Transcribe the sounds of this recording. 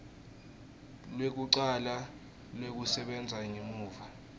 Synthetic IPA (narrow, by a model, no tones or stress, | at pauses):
lwek̬uǀala | lwek̬usɛɓɛnd͡zʱaŋimuːva